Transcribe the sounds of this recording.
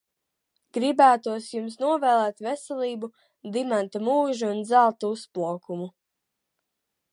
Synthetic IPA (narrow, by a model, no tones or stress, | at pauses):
ɡ̥ɾibæːt̪uɔsjums̬nuɔvɛːlˠɛːt̪vɛsɛlˠiːbu | d̪imant̪amuːʒuːnd̪zalˠt̪uuspuɔkumu